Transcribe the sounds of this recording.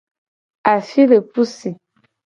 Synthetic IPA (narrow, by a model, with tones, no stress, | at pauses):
a˨fi˦lə˨pu˦si˨